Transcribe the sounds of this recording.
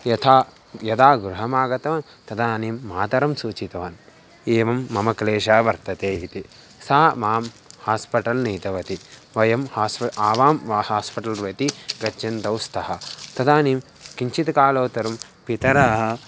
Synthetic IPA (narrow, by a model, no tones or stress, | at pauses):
jɐt̪ʰaː | jɐd̪aːɡɾuɦɐmaːɡɐt̪ɐʋaːn | t̪ɐd̪aːniːmːaːt̪ɐɾɐmsuːt͡ʃit̪ɐʋaːn | eːʋɐmːɐmɐkleːʃaːʋɐɾt̪ɐt̪eːit̪i | saːmaːm | haːspɐʈɐlniːt̪ɐʋɐt̪iʋɐjɐmhaːspaːʋaːmʋaːhaːspiʈɐlɾʋɐt̪iɡɐt͡ʃɐnt̪ɐwst̪ʰɐɦɐt̪ɐd̪aːniːm | kiɲt͡ʃit̪kaːloːt̪ɐɾɐm | pit̪ɐɾɐɦɐ